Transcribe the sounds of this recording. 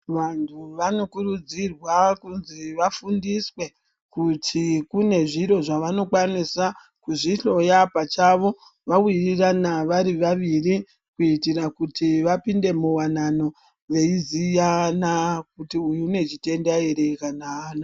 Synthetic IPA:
ʋantʰuʋano̞kurud͡zirwakunziʋafundiswe̞ | kutʰikune̞ʐiɾo̞ʐaʋano̞kwanisa | kuʐiɬo̞japat͡ʃaʋo̞ | ʋawiriranaʋaɾiʋaʋiri | kuitirakutiʋapinde̞muwanano̞ | ʋe̞izijanak̚utiujune̞t͡ʃite̞ndaiɾekanaːna

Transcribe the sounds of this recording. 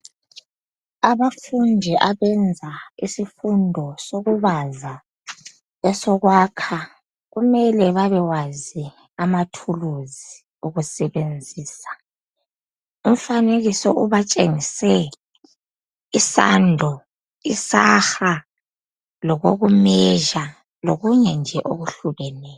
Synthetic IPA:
aβafundʱɛʔaβɛnd͡zʱaisifundʱɔsoɣuβaza | ɛsɔɣwaːkʰa | ɣumɛlɛβaβɛwazi | amatʰuluzi | uɣusɛβend͡zʱiːsḁ | um̩faneɣisɔʔuβat͡ʃʼeŋisɛ | isa̰ndʱɔ | isaxa | lɔɣoɣumɛʒa | loɣuɲɛnd͡ʒʱɛʔoɣuɬuβɛnɛːj

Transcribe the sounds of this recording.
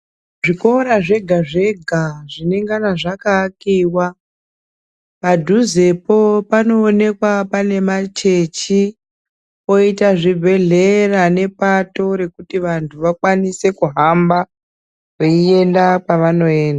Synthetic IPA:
ʐiko̞ɾaʐe̞ɡʱaʐe̞ɡʱaʐine̞ŋɡanaʐakakiwa | madʱuze̞po̞pano̞ːne̞kwapane̞mat͡ʃe̞t͡ʃi | o̞itaʐibʱe̞ɮe̞rane̞pato̞ɾe̞kutiʋantʰuʋakwanise̞kuɦamba | uie̞ndapaʋano̞e̞ːndaa

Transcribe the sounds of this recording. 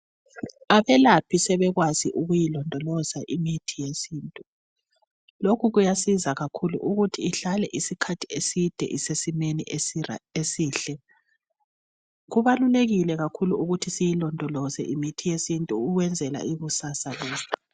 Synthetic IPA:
aβɛlapʰisɛβɛɣwaziʔuɣujilɔndʱɔlɔzaʔimitʰijesiːntʼu | lokʰuɣujasizaɣakʰulṵʔuɣutʰiːɬalɛʔisikʰatʰiesid̥ʱɛ̰ʔisesimeni | esiːɬɛ | ɣuβaluleɣilɛɣakʰuluuɣutʰisijilɔndʱɔlɔzɛ̰ʔimitʰijesintʼuːɣwɛnd͡zʱɛla̰iɣusasalɔːzɔ

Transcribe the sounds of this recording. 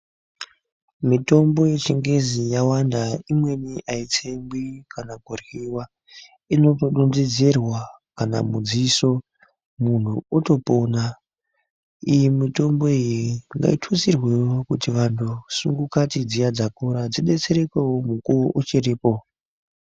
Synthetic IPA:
mito̞mbo̞je̞t͡ʃiŋɡe̞zijawandaimwe̞niʔait͡sembikanaɡʱoriwa | ino̞toɗunzid͡zirwa | kana̰mud͡ziso̞ | mun̤ṵoto̞po̞na | ijimito̞mbo̞ijiŋɡa̰itʰut͡sirweokutiʋantʰusuŋɡukatid͡zijad͡zakoɾad͡ziɗe̞t͡se̞ɾekewomukuoʔut͡ʃiriːpo

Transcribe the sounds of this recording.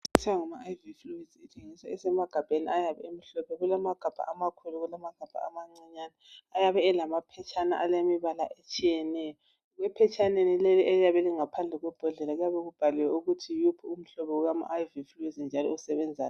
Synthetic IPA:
utʰɛwaŋamaajvifluiz̥itʰeŋiswaɛsɛmaɡ̥ʱab̥ʱenḭʔajaβɛem̩ɬɔpʰɛɣulamaɡ̥ʱab̥ʱa̰ʔamakʰuluɣulamaɡ̥ʱab̥ʱa̰amaŋ͡ǀiɲanaajaβɛːlamapʰɛt͡ʃʰʼana̰ʔalemiβala̰ʔet͡ʃʼijɛnɛjɔ | ɣwɛpʰɛt͡ʃʰʼanenileliʔelijaβɛliŋapʰand͡ɮʱɛɣwɛb̥ʱɔɮɛlaɣujaβɛɣub̥ʱaliwɛuɣutʰijupʰium̩ɬɔβɔuɣama̰ʔːjvifluiznd͡ʒʱalɔ̰usɛβɛnd͡zʱa̰ːna

